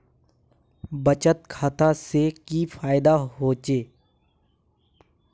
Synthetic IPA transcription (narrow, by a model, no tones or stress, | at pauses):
bət͡ʃət̪kʰaːt̪asekifʰaːɪd̪aɦoːt͡ʃeː